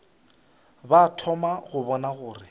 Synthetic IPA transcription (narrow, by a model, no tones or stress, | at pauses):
batʰɔmaɣʊbɔnaɣʊːrɪ